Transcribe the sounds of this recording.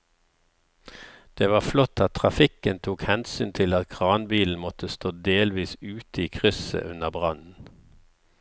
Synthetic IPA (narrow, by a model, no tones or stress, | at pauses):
d̪̥eːʋɑːflɔt̪ʰːɑt̪ʰʁɑfɪkənt̪ʰuːkhɛnsyːnt̪ʰɪlɑt̪̚kʰʁɑːnbiːln̩mɔt̪əst̪oːd̪eːlʋiːsʉːt̪əiːkʰʁʏsə̰ʔʉnəʁbʁɑnn̩